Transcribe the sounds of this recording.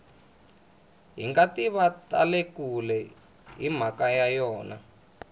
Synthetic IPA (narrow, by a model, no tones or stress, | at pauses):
ɦḭŋɡatiβata̰lekulɛ | ɦim̤akajajɔːna̰